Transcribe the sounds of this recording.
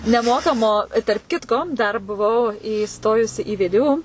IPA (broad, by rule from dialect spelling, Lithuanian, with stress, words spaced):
nʲɛˈmoːkɐmoː ɪ tɐrp ˈkʲɪtkoː dɐr bʊˈʋɐʊ iːˈstoːjʊsʲɪ iː ˈʋʲeː ˈdʲeː ˈuː